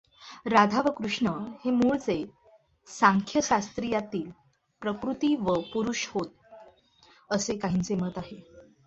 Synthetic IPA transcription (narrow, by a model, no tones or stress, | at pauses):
ɾad̪ʱaʋəkɾuʂɳəhemuːɭt͡se | sãŋkʰjəɕast̪ɾijat̪iːl | pɾəkɾut̪iːʋəpuɾuʂhot̪̚ | əsekaɦint͡semət̪aɦe